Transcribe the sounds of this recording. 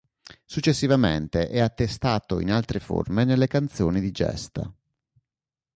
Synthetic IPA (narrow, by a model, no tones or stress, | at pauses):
sut͡ʃːesːivament̪eʔɛat̪ːest̪aːt̪oinalt̪ɾefo̰rmenelːekant̪soːnid̪id͡ʒɛ̰st̪a̰